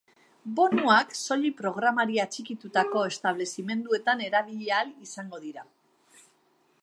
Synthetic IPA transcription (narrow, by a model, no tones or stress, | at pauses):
bo̞nuakso̞ʎipɾo̞ɣ̞ɾamaɾiat͡ʃikit̪ut̪ako̞e̞st̪aβ̞le̞sime̞nd̪ue̞t̪ane̞ɾaβ̞iʎealisaŋɡo̞ðiɾa